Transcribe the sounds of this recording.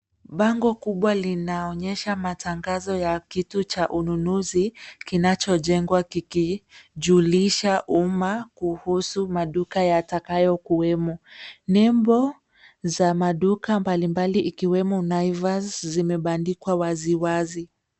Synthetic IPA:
ɓaŋɡɔkuɓwalinaɔɲɛʃamataŋɡazɔjakitut͡ʃaʔununuzikinat͡ʃɔʄɛŋɡwakikiʄuliʃaʔumakuhusumaɗukajatakajɔkuwɛmɔɲɛmbɔ | zamaɗukambalimbaliʔikiwɛmɔnajvaszimɛɓandikwawaziwazi

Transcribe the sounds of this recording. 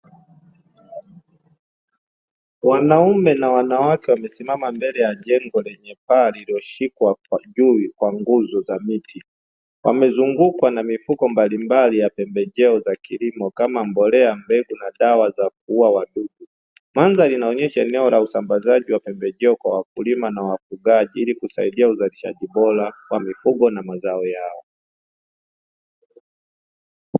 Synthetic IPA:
wanaumɛnawanawakɛwamɛsimamambɛlɛjaʄɛŋɡɔlɛɲɛpaːliliɔʃikwaʄuikwaŋɡuzɔzamitʰi | wamɛzuŋɡukwanamifukɔmbalimbalijapɛmbɛʄɛɔzakilimɔkamambɔlɛambɛɡunaɗawazak̚uuwawaɗuɡu | manzalinaɔɲɛʃaɛnɛɔlausambazaʄiwapɛmbɛʄɛɔkwawak̚ulimanawafuɡaʄiilikusa̰iɗiauzaliʃa̰ʄiɓɔlawamifuɡɔnamazaɔjaɔ

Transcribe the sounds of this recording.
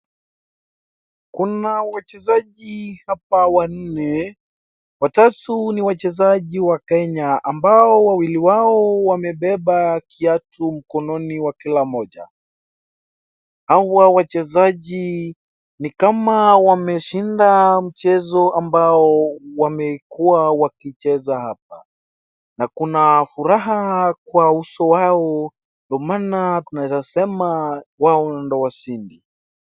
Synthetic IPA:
kunawat͡ʃɛzaʄihap̚awan̩nɛ | watatuniwat͡ʃɛzaʄiwakɛɲaʔambaɔwawiliwaɔwamɛɓɛɓakiatʰum̩kɔnɔniwakilamɔʄa̰ | hawawat͡ʃɛzaʄi | nikamawamɛʃindam̩t͡ʃɛzɔambaɔwamɛkuawakit͡ʃɛzahap̚a | nakunafuɾaɦakwausɔwaɔ | ndɔmanatunaɛzasɛmawaɔndɔwasindi

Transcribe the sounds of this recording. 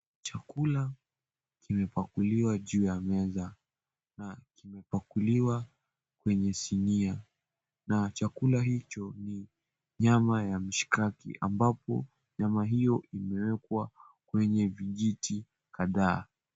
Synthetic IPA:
t͡ʃakula | kimɛpakuliwaʄuːjamɛza | nakimɛpakuliwa | kwɛɲɛsinia | nat͡ʃakulaɦit͡ʃɔni | ɲamajam̩ʃi̥kakḭʔa̰mbapɔ̰ | ɲamaɦijɔʔimɛwɛkwa | kwɛɲɛviʄiti | kaðaː

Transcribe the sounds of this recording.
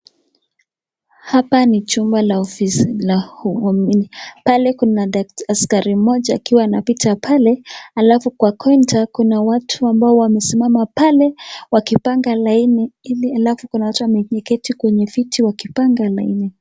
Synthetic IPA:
hapanit͡ʃumbalaɔfisilahuminipalɛkunadaktaskaɾimɔʄaːkiwaːnapitʰapʰalɛalafukwakɔintakunawatʰuambaɔwamɛsimamapalɛwakipaŋɡalainɛilialafukunawatuwamɛɲɛkɛtikwɛɲɛfitʰiwakipaŋɡalainɛ

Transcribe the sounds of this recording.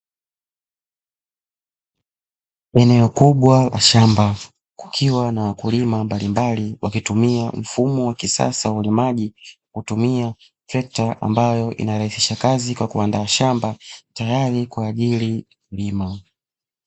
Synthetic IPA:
ɛnɛɔkuɓwala̰ʃamba | ku̥kʰiwanawakulimambalimbaliwakitumiam̩fumɔwakisa̰sawaulimaʄi | kutumia | sɛk̚taʔa̰mbajɔʔḭnaɾahisi̥ʃakazikwakuandaːʃambatajaɾikuaʄili | ulima

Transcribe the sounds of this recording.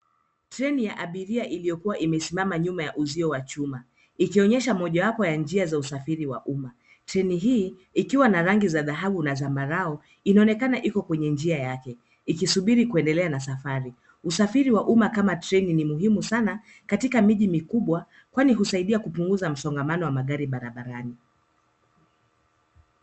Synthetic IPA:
tɾɛnijaʔaɓiɾiaʔilijɔkuwaʔimɛsimamaɲumajaʔuziɔwat͡ʃuma | ikiɔɲɛʃamɔʄawapɔjand͡ʒiazausafiɾiwa̰ʔuma | tɾɛniɦiː | ikiwanaɾaŋɡizaðaɦaɓunazambaɾaɔ | inaɔnɛkanaʔikɔkwɛɲɛnd͡ʒiajakɛ | ikisuɓiɾikuɛndɛlɛanasafaɾi | usafiɾiwaʔumakamatɾɛninimuɦimusana | katikamiʄimikuɓwa | kwaniɦusaiɗiakupuŋɡuzam̩sɔŋɡamanɔwamaɠaɾiɓaɾaɓaɾani

